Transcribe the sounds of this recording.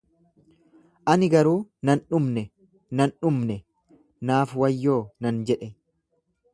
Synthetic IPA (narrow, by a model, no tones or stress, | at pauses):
ʔɐnɪɡɐɾuːnɐnᶑʊmnɛ | nɐnᶑʊmnɛ | naːfwɐjːo̞ːnɐnd͡ʒɛᶑɛ